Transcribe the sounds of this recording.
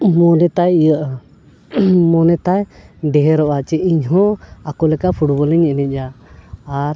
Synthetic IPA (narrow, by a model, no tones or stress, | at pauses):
mɔnɛt̪ajijəʔa | mɔnɛt̪ajɖɛɦɛɾɔʔat͡ʃɛiɲɦɔ̃akɔlɛkapʰuʈbɔliɲːɛnɛˀjaː | ɾ